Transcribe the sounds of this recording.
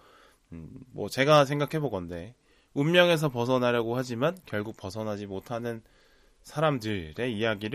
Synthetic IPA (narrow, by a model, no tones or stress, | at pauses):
ɯmwʌ̰t͡ɕe̞ɡasʰe̞ŋɡakʰe̞boɡʌnde̞ | umːjʌŋe̞s̬ʰʌpʌs̬ʰʌnaɾjʌɡoɦad͡ʑimankjʌɭɡuk̚pʌsʰʌnɦad͡ʑimotʰanɯn | sʰaɾamdɯɾe̞ijaɡiɾ